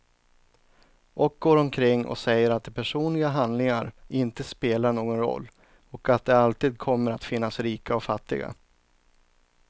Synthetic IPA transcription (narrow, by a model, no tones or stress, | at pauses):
ʔɔk̚ɡoːɾɔmkʰɾɪŋːɔ̰sɛjːəɾat̪̚d̪ɛpʰæʂuːnlɪɡaɦand̪lɪŋaɾɪnt̪əspeːlaɳoːɡɔnɾɔ̰lː | ɔkat̪̚d̪ɛalt̪iːd̪̚kʰɔmːəɾat̪fɪnːasɾiːkaɔfat̪ːɪ̰ɡa̰